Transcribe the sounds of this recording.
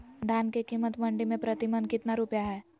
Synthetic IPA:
d̪ʱaːnkekiːmːət̪mɐ̃ɳɖimẽpɾət̪ɪmənkɪt̪naɾupjaɦɛː

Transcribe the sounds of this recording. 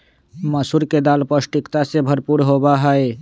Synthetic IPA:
məsuɾked̪aːlpəsʈɪkt̪asebʱəɾpuːɾɦoːbaɦɛe

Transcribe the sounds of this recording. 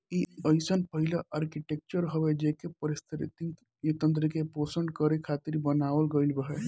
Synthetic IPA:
iəɪsənpəɦilaʔəɾkiʈek̚t͡ʃəɾɦəʋed͡ʒekepəɾist̪ʰɾt̪i | et̪ə̃nt̪ɾəkeposəɳɖkəɾekʰat̪iɾbənaːʋəlɡəilbəɦe

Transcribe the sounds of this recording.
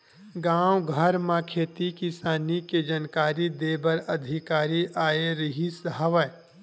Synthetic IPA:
ɡãːwɡʱəɾmãkʰeːt̪ikisaːniked͡ʒənkaːɾid̪eːbəɾɐd̪ʱɪkaːɾiʔaːeɾɪɦisɦəʋə

